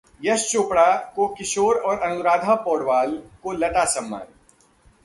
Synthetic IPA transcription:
jɐst͡ʃoːpɽakokɪʃoːɾɔːɾɐnʊɾaːd̪ʱapɔːɽʋaːlkolɐʈasɐ̃mːa̰ːn

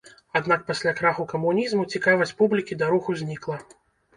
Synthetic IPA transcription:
ad̪nak̚pasʲlʲakɾaxukɐmunʲizmut͡sʲikavɐsʲpublʲikʲid̪aɾuxuzʲnʲiklˠɐ

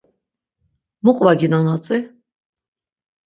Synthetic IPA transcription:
muqʼvaɡinanat͡sʼi

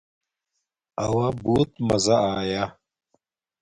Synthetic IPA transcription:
awabuːt̪mɐzaaːja

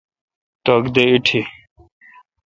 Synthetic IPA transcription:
t̪əɡd̪eiʈʰiː

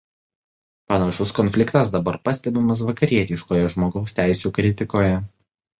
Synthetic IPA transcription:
pɐnɐʃʊskɔnʲfʲlʲɪkt̪ɐs̬d̪ɐbɐɾpɐsʲt̪ʲɛbʲɪmɐs̬ʋɐkɐɾʲiɛt̪ʲɪʃkoːjɛʒmoːɡɒʊsʲt̪ʲæˑɪsʲuːkɾʲɪt̪ʲɪkoːjɛ

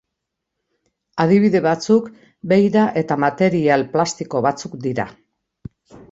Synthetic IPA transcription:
að̞iβ̞iðe̞βat͡suk | be̞jɾaʔe̞t̪amat̪e̞ɾialplast̪iko̞β̞at͡sukd̪iɾa̰

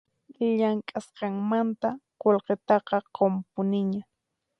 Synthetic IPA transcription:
ʎaŋkʼasqɑŋmant̪aqolqet̪ɑqɑqompʊnɪɲa

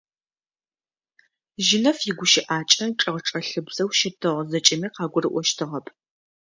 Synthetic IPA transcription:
ʒɪnɐfjɪɡʷʊʃɪʔaːt͡ʃʼɐʈ͡ʂʼɐʁəʈ͡ʂʼɐɬɨbzɐwʃɪtʰɨʁzɐt͡ʃʼɐmiːqɑːɡʷʊrɨʔʷɔʃtʰɨʁɐpʰ

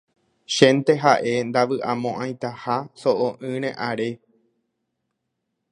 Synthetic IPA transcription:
ʃẽnt̪e̞ɦaʔe̞nd̪aʋɨʔãmõʔãj̃t̪ahasoʔõʔɨ̃ɾ̃ẽʔaɾe̞

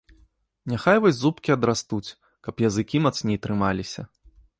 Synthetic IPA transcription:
nʲaxajvɔzʲzupkʲiɐd̪ɾast̪ut͡sʲ | kɐpjɐzɨkʲimɐt̪snʲejt̪ɾɨmalʲisʲɐ

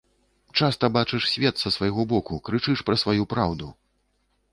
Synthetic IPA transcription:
t͡ʂast̪ɐbat͡ʂɨʂsʲvʲɛt̪sɐsvɐjɣɔbɔkukɾɨt͡ʂɨʂpɾɐsvajupɾawd̪u

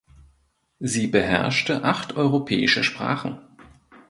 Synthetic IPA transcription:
ziːbəɦɛ̰ɐʃtəʔaχtʔɔʏʁopʰɛːɪʃəʃpʁ̥a̰ːχn̩

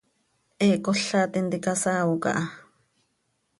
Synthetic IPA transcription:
ʔɛkoɬat̪int̪ikasaːwoka̰ʔɑ

